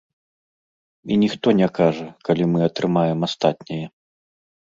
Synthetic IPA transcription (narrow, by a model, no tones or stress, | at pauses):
inʲixt̪ɔnʲɛkaʐɐkalʲimɨɐt̪ɾɨmajɛmast̪at̪ʲnʲijɛ